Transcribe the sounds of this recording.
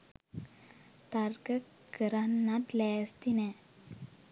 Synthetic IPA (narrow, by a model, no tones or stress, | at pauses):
t̪aɾɡə | kəɾanːat̪lɛːst̪inɛ